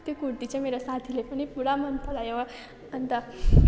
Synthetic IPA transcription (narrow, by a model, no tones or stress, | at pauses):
t̪ekuɽt̪it͡ɕemeɾasat̪ʰilepəɳ̃ipuɽamənpʰəlajeʋa | ənt̪a